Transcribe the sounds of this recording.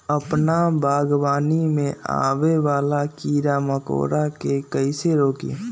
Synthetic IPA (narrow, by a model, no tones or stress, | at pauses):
əpnabaːɡbaːnimẽa̰ːʋeʋaːlakiːɾaməko̰ːɾakekəiseɾoːkḭ